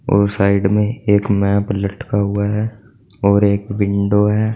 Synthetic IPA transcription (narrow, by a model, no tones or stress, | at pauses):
ɔ̰ːɾsaːɪɖmẽeːkmɛːplɐʈkaɦʊaɦɛː | ɔːɾeːkʋɪ̃ɳɖoɦɛː